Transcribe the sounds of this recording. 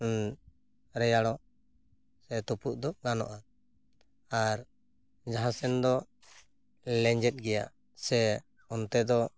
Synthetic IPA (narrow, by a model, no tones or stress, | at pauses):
ɾɛjaɽɔ | sɛt̪ɔpuʔd̪ɔɡanɔ̰ʔa | aɾ | d͡ʒaɦãsɛnd̪ɔ | lɛɲd͡ʒɛt̪̚ɡɛja̰ | sɛ | ɔnt̪ɛd̪ɔ